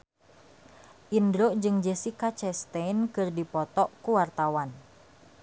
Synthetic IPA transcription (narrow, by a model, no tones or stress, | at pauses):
ʔindɾod͡ʒɨŋd͡ʒəsikat͡ʃɛst̪ɛnkɨrdipɔt̪ɔʔkuwart̪awan